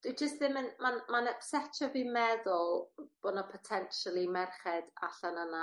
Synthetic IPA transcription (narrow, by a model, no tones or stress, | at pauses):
d̥wid͡ʒəstðɪmənmanmanɛpsɛt͡ʃʰɔvimɛðʊlˠb̥ɔnɔpʰɔtʰɛnʃalˠimɛrχɛda̰ɬanana